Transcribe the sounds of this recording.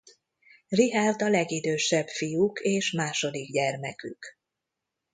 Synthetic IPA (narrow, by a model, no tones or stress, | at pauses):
riɦard̪ɒlɛɡid̪øːʃɛbfijukʰeːʃmaːʃo̞d̪iɡɟɛrmɛky̰k